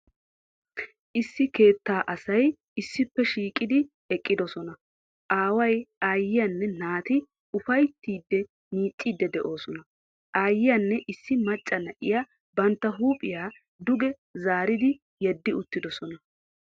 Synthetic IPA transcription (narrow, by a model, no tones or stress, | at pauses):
ʔɪsːɪke̞ːt̪ːaːʔɐsɐj | ɪsːɪpːɛʃiːkʼɪd̪ɪ | ɛkʼːɪd̪ɔsɔnɐ | ʔaːwɐjaːjːɪjɐnːɛnaːt̪ɪ | ʊfɐjt̪ːiːd̪ːɛ | miːt͡ʃʼːiːd̪ːɛd̪ɛʔo̞ːsɔnɐ | ʔaːjːɪjɐnːɛʔɪsːɪmɐt͡ʃʼːɐnɐʔɪja | bɐnt̪ːɐɦuːpʼɪjaː | d̪ʊɡɛ | zaːɾɪd̪ɪ | jɛd̪ːɪʊt̪ːɪd̪ɔsɔnɐ